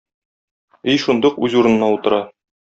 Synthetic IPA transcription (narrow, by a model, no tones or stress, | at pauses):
ijʃund̪ɤqʉzuɾɤ̆nɤ̆nɑut̪ɤ̆ɾɑ